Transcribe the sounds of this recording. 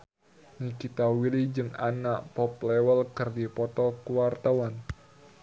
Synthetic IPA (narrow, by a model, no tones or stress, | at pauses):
nikit̪awilid͡ʒɨŋanaʔpɔp̚lɛwəlkɨrdipɔt̪ɔkuwart̪awan